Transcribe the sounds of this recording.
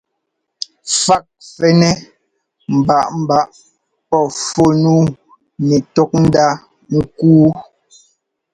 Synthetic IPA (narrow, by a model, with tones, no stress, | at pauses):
fa˦˨k̚fɛ˦nɛ˦ | m̩˨ba˨ʔm̩˨ba˦ʔ | pɔ˦˨fo˦˨nuː˦˨ | nɛ˨tɔ˦k̚n̩˦da˦ | ŋ̩˦kuː˦